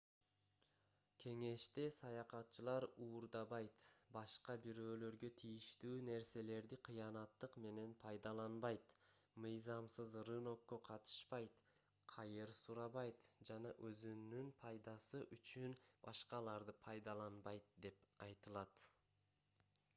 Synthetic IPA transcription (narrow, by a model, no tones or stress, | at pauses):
kʲʰe̞ŋe̞ʃt̪e̞sɑjɑqɑt̪̚t͡ʃɯlˠɑɾuːɾd̪ɑβɑjt̪bɑʃqɑbiɾø̞ːlø̞ɾɡøt̪ʰijiʃt̪yːne̞ɾse̞le̞ɾd̪iqʰɯjɑnɑt̪ːɯqme̞ne̞npʰɑjd̪ɑlˠɑnbɑjt̪mɯjzɑmsɯzrɯno̞kːøqʰɑt̪ɯ̥ʃpɑjt̪ | qʰɑjɯɾsuɾɑβɑjt̪d͡ʒɑnɑʔøzynːynpʰɑjd̪ɑsɯʔyt͡ʃynbɑ̰ʃqɑlˠɑɾd̪ɯpʰɑjd̪ɑlˠɑnbɑjt̪d̪e̞pɑjt̪ɯlˠɑt̪